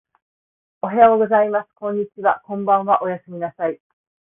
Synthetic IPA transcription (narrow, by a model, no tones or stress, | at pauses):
oɦe̞aoɡo̞zaimasɨ̥kõ̞ɲ̟ːit͡ɕiβakõ̞mbãɰ̃βaʔo̞jasɨmʲinasai